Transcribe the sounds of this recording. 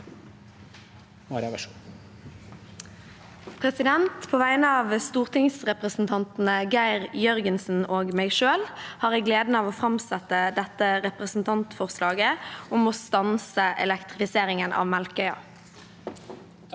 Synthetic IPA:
mɑɾ | pʰʁɛsɪd̪ɛnt̪pʰoːʋæɪnəɑːʋst̪uːʁt̪ʰɪŋsʁɛpʁəsn̩t̪ʰɑnt̪n̩əɡæɪʁjœʁɡənsn̩oːɡmæɪʃøːlhɑːʁɛːɡleːd̪n̩əɑːʋoːfʁɑmsɛt̪əd̪ɛt̪əʁɛpʁəsn̩t̪ʰɑnt̪fɔʁslɑːɡəʔɔmoːst̪ɑnsəʔɛ̰lɛkt̪ʁɪfɪseːʁɪŋənʔɑ̰ːʋmælkœʏɑ̰

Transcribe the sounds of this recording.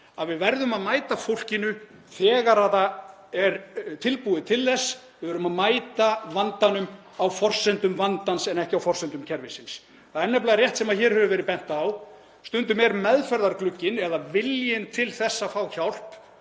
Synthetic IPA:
aðvɪðvɛɾðʏmaðmaːjt̪afowl̥cɪnʏ | θɛːɣaɾaða | ɛɾt̪ʰɪlpuːðɪt̪ʰɪlθɛsːvɪðvɛɾʏmaðmaːjt̪avant̪anʏm | awfɔr̥sɛnt̪ʏmvant̪ansɛnɛhcɪawfɔr̥sɛnt̪ʏmcʰɛɾvɪsins | θaɛnːɛplaːɾjɛht̪sɛmaðçɛːɾ̥hœvʏvɛːɾɪpɛn̥t̪aːw | st̪ʏnt̪ʏmɛɾmɛðfɛɾðaɾklʏcːɪnɛðavɪljɪnt̪ʰɪlθɛsːafawçawl̥p

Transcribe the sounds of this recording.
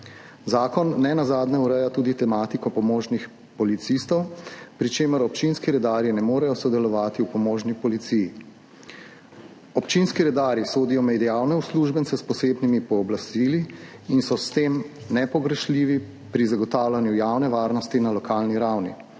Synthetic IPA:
zaːkɔnːɛnazaːd̪nɛuɾɛjat̪uːd̪it̪ɛmaːt̪ikɔpɔmoːʒnix | pɔlit̪sist̪ɔwpɾit͡ʃeːməɾɔp̚t͡ʃinskiɾɛd̪aːɾjinɛmoːɾɛjɔsɔd̪ɛlɔʋaːt̪iupɔmoːʒnipɔlit̪siji | ɔpt͡ʃinskiɾɛd̪aːɾisoːd̪ijɔmɛd̪ijawnɛusluːʒbɛnsɛspɔseːbnimipɔːblast̪iliinsɔst̪em | nɛpɔɡɾɛʃliːʋi | pɾizaɡɔt̪aːwlanjujawnɛʋaːɾnɔst̪inalɔkaːlniɾawnḭ

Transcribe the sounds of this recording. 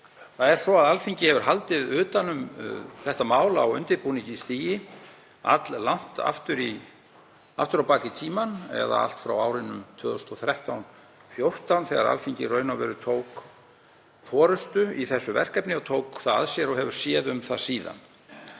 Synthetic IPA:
θaðɛɾ̥sɔaðalfiɲcɪhɛvʏɾ̥ɦalt̪ɪðʏːt̪anʏmθɛht̪amaːwlaːwʏ̰nt̪ɪɾpuniɲcɪsθiːjɪ | a̰t̪llan̥t̪a̰ft̪ʏɾi | a̰ft̪ʏɾawpaːcɪt̪ʰiːmanɛ̰ða̰a̰l̥t̪fɾa̰waːwɾɪnʏmt̪ʰvœːðʏst̪ɔθɾɛht̪awn | fjowr̥t̪awnθɛɣa̰ɾa̰lfiɲcɪ̰rœːɥnavɛ̰ɾʏt̪ʰowk | fɔːɾʏst̪ʏiθɛsːʏvɛ̰r̥kɛpnɪɔt̪ʰoːwkθaða̰ðsjɛɾɔɦɛvʏɾ̥sjɛːðʏmθasiːða̰n

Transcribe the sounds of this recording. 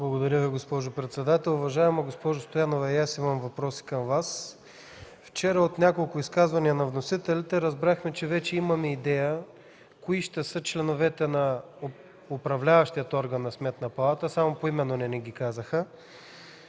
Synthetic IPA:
blˠɐɡod̪ɐɾʲəviɡospɔʒopɾɛt̪sɛd̪at̪ɛlˠʊvɐʒaɛmɐɡospɔʒost̪ojanovɐɛjasimɐmvɐpɾɔsi̥kɐmvas | ft͡ʃɛɾəot̪nʲakolˠkʊiskazvɐniɐnɐvnosit̪ɛlʲit̪ɛɾɐzbɾaxmɛt͡ʃɛvɛt͡ʃɛimɐmɛid̪ɛjə | koiʃt̪ɛsɤt͡ʃlɛnovɛt̪ɛnɐ | opɾɐvlʲavɐʃt̪ijət̪ɔɾɡənːɐsmɛt̪nɐpɐlˠat̪əsamopoimɛnːonɛnɛɡikazəxə

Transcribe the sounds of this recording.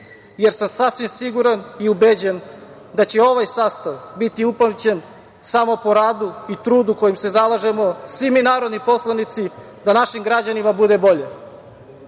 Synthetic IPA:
je̞ɾsamsasʋimsiɡuɾaniubed͡ʑe̞n | d̪at͡ɕe̞o̞ʋajsaːst̪aʋbit̪iuplamt͡ɕen | samo̞po̞ɾaːd̪uit̪ɾuːd̪uko̞jimse̞zalaʒe̞mo̞sʋiminaːɾo̞d̪nipo̞slˠanit̪si | d̪anaʃimɡɾad͡ʑanimabud̪e̞bo̞ʎe

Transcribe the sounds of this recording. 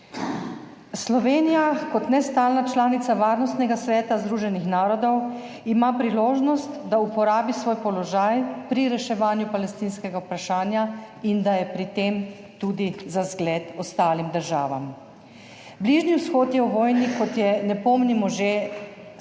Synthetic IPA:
slɔʋeːnijakɔt̪nɛst̪aːlnat͡ʃlaːnit̪saʋaːɾnɔst̪nɛɡasʋɛːt̪azd̪ɾuʒɛnixnaːɾɔd̪ɔw | imapɾiloːʒnɔst̪d̪aupɔɾaːbisʋoːjpɔlɔʒajpɾiɾɛʃɛʋaːnjupalɛst̪inskɛɡaupɾaʃaːnja | ind̪ajɛpɾit̪eːm | t̪ud̪izazɡlɛːt̪ɔst̪aːlimd̪əɾʒa̰ːʋa̰m | bliʒniwsxoːt̪jɛwʋɔːjnikɔt̪jɛnɛpɔmnimɔʒe

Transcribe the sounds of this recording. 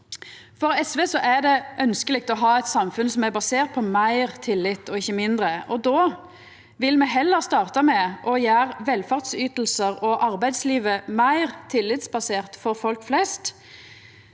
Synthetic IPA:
fɔʁɛsʋeːsɔʔæʁd̪ɛʔœnskəlɪk̚t̪ɔɦɑːɛɪt̪sɑmfʉnsɔmæbɑseːʁt̪̚pʰɔmæɪʁt̪ʰɪlːɪt̪ːɔɪçːəmɪnd̪ʁəʔɔd̪oː | ʋɪlmɛɦɛlːəʁst̪ɑːʁt̪ɑmɛʔɔjæːʁʋɛlfɑʁt̪syːt̪l̩səʁɔʔɑʁbæɪd̪sliːʋəmæɪʁt̪ʰɪlːɪt̪sbɑseːʁt̪fɔɾfɔlkflɛst̪

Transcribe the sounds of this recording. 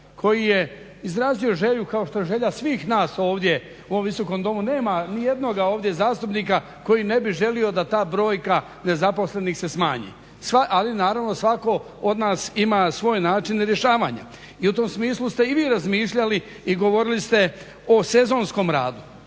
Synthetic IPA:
kʰo̞jije̞ | izɾaːzio̞ʒe̞ʎukaoʃt̪o̞eʒe̞ʎasʋiːxnaːso̞ːʋd̪je̞ | uoʋiso̞ko̞md̪o̞mune̞ːmanijed̪no̞ɡao̞ːʋd̪je̞zaːst̪upniːka | ko̞jine̞biʒe̞lio̞d̪at̪aːbɾo̞ːjka | ne̞zapo̞sle̞niːxse̞smaːɲḭ | saʔalinaːɾaʋno̞sʋako̞ | od̪naːsimasʋo̞ːjnaːt͡ʃinɾjeʃaːʋaɲa̰ | iut̪o̞ːmsmiːslˠust̪e̞iʋiːɾazmiːʃʎaliː | ɡo̞ʋo̞ɾilist̪e̞ | o̞se̞zo̞ːnsko̞mɾa̰ːd̪u

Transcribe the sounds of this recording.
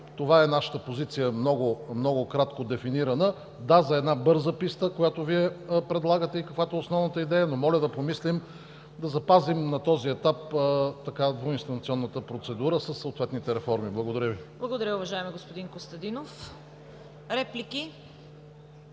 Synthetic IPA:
t̪ovaɛnaʃə̥t̪əpozit̪sijəmnɔɡomnɔɡʊkɾat̪kod̪ɛfiniɾɐnə | d̪azɐɛd̪nabɤɾzəpist̪əkojat̪oviɛpɾɛd̪lˠaɡət̪ɛikɐkvat̪oɛosnɔvnət̪əid̪ɛjɐnomɔlʲɐd̪ɐpomislim | d̪ɐzɐpazimnɐt̪ɔziɛt̪apət̪ɐkad̪voinst̪ɐnɐt̪sʲiɔnːət̪əpɾot̪sɛd̪uɾəsəsːəot̪vɛt̪nit̪ɛɾɛfɔɾmiblˠɐɡod̪ɐɾʲəviblˠɐɡod̪ɐɾʲəʊvɐʒaɛmiɡospod̪inkost̪ɐd̪inof | ɾɛpliki

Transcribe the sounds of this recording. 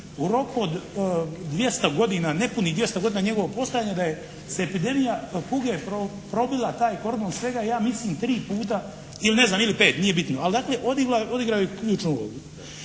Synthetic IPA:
uɾo̞kuod̪d̪ʋje̞st̪aɡo̞d̪inanepunid̪ʋje̞st̪aɡo̞d̪iːnaɲe̞ɡo̞ʋopo̞st̪ojaːɲed̪aje | seːpid̪e̞mijakuɡepɾo | pɾo̞bilˠat̪aːjko̞ɾd̪oːnsʋe̞ɡaijaːmisliːmt̪ɾiːpuːt̪̬a | iline̞znaːmilipeːt̪nije̞bit̪noald̪aːkleʔo̞d̪iɡlao̞d̪iɡɾaojekʎuːt͡ʃnuuo̰ɡu

